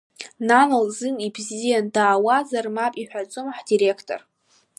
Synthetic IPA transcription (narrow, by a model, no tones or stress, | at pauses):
nanɨlzɨnibzijandaːwazarmapʼiħʷᶣat͡sʼomħdiɾekʰtʼo̰r